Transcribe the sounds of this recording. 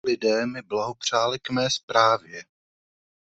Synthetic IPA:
lɪdɛːmɪblaɦopr̝̥aːlɪkmɛːspɾaːvjɛ

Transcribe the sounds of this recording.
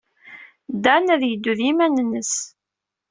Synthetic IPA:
d̪ænæðjəd̪ːuðimænənːəs

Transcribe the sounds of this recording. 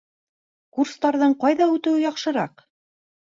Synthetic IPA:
kurst̪ɑɾðɤɴqɑjðɑʉt̪ɘ̆wɘjɑqʃɤ̆ɾɑq

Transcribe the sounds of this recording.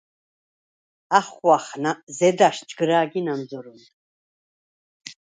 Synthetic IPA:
aχwaχnazɛd̪aʃt͡ʃʼɡɾaːɡinamzɔɾun

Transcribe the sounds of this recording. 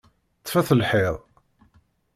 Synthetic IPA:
t͡sːfæθəlħeðˤ

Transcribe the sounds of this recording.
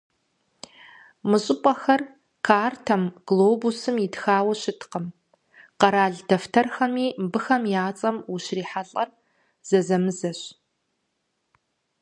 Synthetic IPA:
mɨɕʼɪpʼɐxɐr | kʰaːrtʰɐmɡ̥loːbusɨmjɪdxaːwɐɕɪtʰqəm | qɐɾaːɮdɐftʰɐrxɐmiːmbɨxɐmjaːt͡sʼɐmuɕriːħaɬʼɐr | z̥ɐzɐmɨzɐɕ

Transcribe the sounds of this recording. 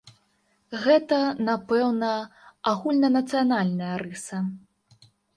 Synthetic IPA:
ɣɛt̪ɐnapɛwnɐaɣulʲnɐnɐt̪sɨjanalʲnɐjɐɾɨsɐ

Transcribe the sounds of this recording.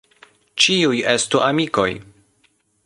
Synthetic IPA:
t͡ʃiujestuʔamiko̞j

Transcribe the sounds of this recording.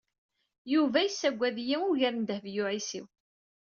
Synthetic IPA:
juvæjəsːæɡʷːæðjiʊʝæɾnd̪əhvjʊʕisḭw

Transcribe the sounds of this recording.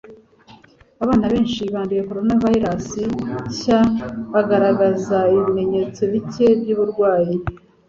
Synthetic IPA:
aβaːnaβe̞ːnʃiβaːndije̞ko̞ɾo̞navaiɾasiɕaβaɡaɾaɡazaiβime̞ɲe̞t͡soβice̞bɟuːβuɾɡwaːji

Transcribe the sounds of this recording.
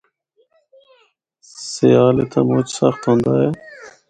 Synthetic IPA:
seaːleːt̪ʰa̰ːmʊːt͡ʃsəxt̪ɦõːnd̪aːɦeː

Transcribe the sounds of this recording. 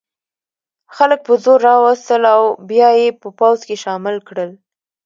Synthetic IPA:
xalək̚pəzoɾːɑwəst̪əlawbjɑjepəpawzkeʃɑmɪlkɽəl

